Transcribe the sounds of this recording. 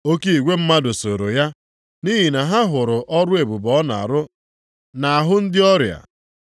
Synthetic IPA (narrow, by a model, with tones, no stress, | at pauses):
o˦ke˦i˨ɡʷe˦m̩˦ma˦dʊ˨so˨ɾo˨ja˦ | ni˦ɦi˨na˨ɦa˦ɦʊ˨ɾʊ˨ʔɔ˦ɾʊ˦e˨bu˨bɔ˦na̰˨a̰˨ɾʊ˦ | na˨a˨ɦʊ˦n̩˦dɪ˦ɔ˦ɾja̰˨